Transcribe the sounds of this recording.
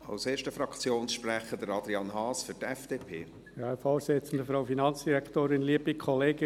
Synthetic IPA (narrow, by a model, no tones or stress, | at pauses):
ɑ̰ʊseːʃtəfɾɑkt͡sjoːnsʃpɾɛχəd̥əɾɑd̪ɾiɑnɦɑːsfyɾtɛfd̥eːpʰḛː | jɑɛfɔːset͡sən̩d̪əfɾoʊfinɑnt͡sd̥iɾɛktoːɾɪnliːəbikʰχɔleːɡ̥ə